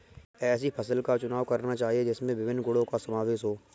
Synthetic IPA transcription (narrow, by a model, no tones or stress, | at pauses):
ɛːs̬ipʰɐsəlkat͡ʃʊnaːʋkɐɾnat͡ʃaːɦied͡ʒɪsmẽʋɪʋɪnːɡʊɽõkasɐmaːʋeːʃɦoː